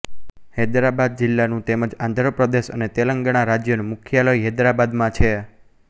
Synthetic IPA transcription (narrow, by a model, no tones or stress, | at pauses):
hed̪ɾabad̪̚d͡ʒɪlːanũt̪eməd͡ʒãnd̪ʱɾəpɾəd̪eʃə̰net̪eləŋɡəɳ̃aɾad͡ʒjənumukʰjaləjɦed̪ɾabad̪mãt͡ʃʰe